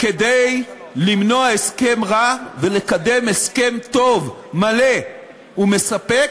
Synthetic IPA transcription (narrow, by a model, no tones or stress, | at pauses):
ke̞dej | limnoaeske̞mʁave̞le̞kade̞me̞ske̞mt̪o̞v | male̞ | ume̞sape